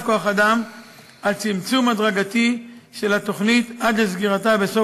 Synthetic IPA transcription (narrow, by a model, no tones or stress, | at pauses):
koaχad̪am | alt͡simt͡sumad̪ʁaɡat̪iʃe̞lat̪o̞χnit̪ad̪lezɡiʁat̪abeso